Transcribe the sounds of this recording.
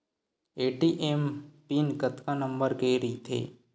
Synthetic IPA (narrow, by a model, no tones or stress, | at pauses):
eːʈiʔempiːnkət̪kanəmbəɾkeɾiːt̪ʰḛː